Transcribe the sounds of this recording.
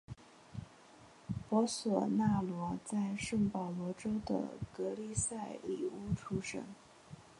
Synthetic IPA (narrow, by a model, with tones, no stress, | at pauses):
pwɔ˧˥swɔ˨˩na˥˩lwɔ˧˥t͡sa˥˧ɪʂɤ˥˩ŋpɑ˨˩ʊlwɔ˧˥ʈ͡ʂo˥ʊd̪ə̰˧˩kɤ˧˥li˥˧sa˥˩ɪlḭ˨˩u˥ʈ͡ʂʰu˥ʂɤ̰˥ŋ